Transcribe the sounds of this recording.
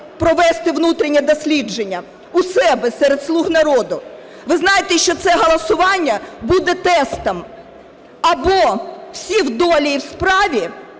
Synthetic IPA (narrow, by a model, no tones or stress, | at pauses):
pɾɔʋɛst̪ɪʋnut̪ɾʲɪnʲɛd̪ɔsʲlʲid͡ʒe̞nʲːɐ | ʊsɛbɛsɛɾed̪slˠuɦnɐɾɔd̪ʊ | ʋɪznɑjet̪ɛʃt͡ʃɔt̪sɛɦɔlˠɐsʊʋɑnʲːɐbud̪ɛt̪ɛst̪ɐm | ɐbɔw̥sʲiwd̪ɔlʲiiwspɾɑʋʲi